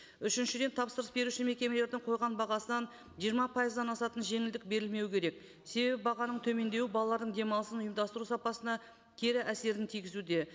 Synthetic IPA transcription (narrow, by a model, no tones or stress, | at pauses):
ʏʃɪnʃɪd̪e̞nt̪ʰɑpsəɾəsbe̞ɾuʃɪnme̞kʲe̞mele̞ɾd̪ɪŋqʰo̞jʁɑnbɑʁɑsənɑn | ʒijəɾmɑpʰɑjəzd̪ɑnɑsɑt̪ənʒe̞ŋɪld̪ɪk̚be̞ɾɪlme̞wɪkʲʰe̞ɾe̞k̚ | se̞be̞bɪbɑʁɑnəɴt̪ʰɵme̞nd̪e̞wɪbɑlˠɑlˠɑɾd̪əɴd̪e̞mɑlˠəsənʊjəmd̪ɑst̪əɾusɑpɑsənɑ | t̪ʲʰe̞ɾɪʔæse̞ɾɪnt̪ʰijɡʲɪzud̪e̞